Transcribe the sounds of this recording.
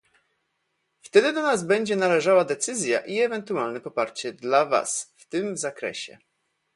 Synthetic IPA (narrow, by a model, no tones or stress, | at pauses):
ft̪ɛd̪ɘd̪ɔnazbɛɲd͡ʑɛnalɛʐawad̪ɛt̪sɘzʲja̰ʔiɛvɛnt̪ualnɛpɔpaɾt͡ɕɛd̪lava̰sft̪ɘmzakɾɛ̰ɕɛ̰